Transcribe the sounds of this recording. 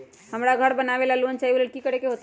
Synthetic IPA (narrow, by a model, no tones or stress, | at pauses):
həmɾaɡʱəɾbənaβelaluənt͡ʃaɦiolelkikəɾekeɦot̪